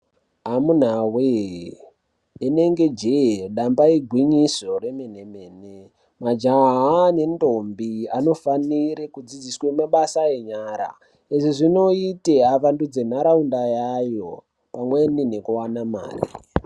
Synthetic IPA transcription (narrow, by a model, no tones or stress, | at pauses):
ɦamun̤awe | ne̞ŋɡe̞d͡ʒeɗambaiɡʱwiɲiso̞re̞mene̞me̞ːne | mad͡ʒane̞ndo̞mbiano̞faniɾekud͡zid͡ziswemaɓasaeɲaɾa̰ | eʐiʐino̞iteaʋandud͡ze̞n̤aɾaundajajo̞ | pamwe̞nine̞kuwanama̰ːrḭ